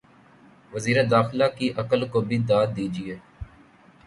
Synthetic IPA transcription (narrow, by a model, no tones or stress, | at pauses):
ʋəziːɾeːd̪aːxɪlaːkiːʔəkəlkoːbʱiːd̪aːd̪iːd͡ʒieː